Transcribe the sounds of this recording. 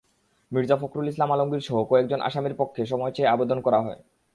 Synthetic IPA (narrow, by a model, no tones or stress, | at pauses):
miɾd͡ʑafokɾulis̬lamaloŋɡiɾʃɔɦokɔɛk̚d͡ʑonʔa̰ʃamiɾpokʰːeʃ̬ɔmɔjt͡ɕeeabed̪onkɔɾaɦɔe